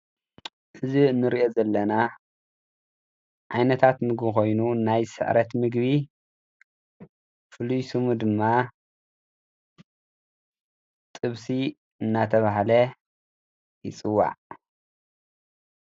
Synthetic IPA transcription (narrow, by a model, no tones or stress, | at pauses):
ʔɨziɨnːɨɾiʔozɐlːɐna | ʕajnɐt̪ʰat̪mɨɡbiko̞jnunajsɨ̰ʕɾɐt̪mɨɡβi | fɨlujsɨmud̪ɨmːa | t̪ʼɨβsi | ɨnːat̪ʰɐβaɦlɐ | jɪt͡sʼɨwːa̰ʕ